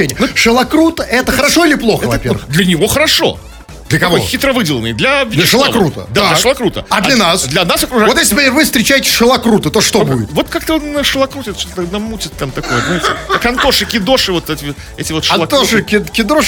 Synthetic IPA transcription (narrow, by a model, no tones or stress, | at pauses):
enʲɪjəʂɨlˠɐkɾut̪əʔɛt̪əxəɾɐʂoɪlʲɪplˠo̞xɛəvɐpʲeɾvəd̪lʲənʲɪvo̞xəɾɐʂo̞̰ | d̪lʲəkɐvojxʲɪt̪ɾəvɨdʲɪlˠənɨjd̪lʲɐvʲdlʲəʂɨlˠɐkɾut̪ə̰d̪aalʲəʂəlˠɐkɾut̪ə̰ɐd̪llʲɐnasd̪lʲɐnasɐkɾʊʐajojeslʲɪpɐvɨfst̪ɾʲɪt͡ɕæjɪtʲɪ̥sʲʂɨlˠɐkɾut̪ɨt̪oʂt̪obudʲɪt̪vo̞t̪kak̚t̪əonnəʂɨlˠɐkɾut̪ɪɛt̪ʃt̪ot̪t̪namːutʲɪt̪t̪amt̪ɐkojəɪt̪ʲkɐnt̪oʂɨkʲɪd̪o̞ʂɨvot̪ɛtʲɪ | ɛtʲɪvot̪ʂalˠɐt̪oʂɨkʲɪkʲɪd̪oʂ